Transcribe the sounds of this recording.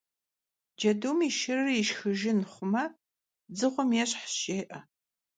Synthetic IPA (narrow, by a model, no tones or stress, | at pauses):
d͡ʒɐduːmiːʃɪrːiʃxɨʒɪnχʷʊmɐ | d͡zɨʁʷɔmjɛɕħʃeːʔɐ